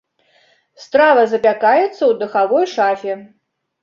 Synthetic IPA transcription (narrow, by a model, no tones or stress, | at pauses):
st̪ɾavɐzɐpʲakajɛt̪sːɐwd̪ɨxavɔjʂafʲɛ